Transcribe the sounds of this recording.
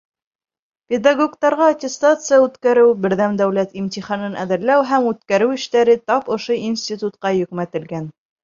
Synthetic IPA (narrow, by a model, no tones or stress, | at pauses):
pʲed̪aɡokt̪ɑɾʁɑːtʲɪst̪at̪sɨjaʉt̪kæɾɘwbɘ̆ɾðæmd̪æwlæt̪imt̪iχɑnɤnʔæ̰ðɘ̆ɾlæwɦæmʉt̪kæɾɘwɘ̆ʃt̪æɾɘt̪ɑpŏʃoinsʲt̪ʲit̪ut̪qɑjɵ̆kmæt̪ɘ̆lɡæn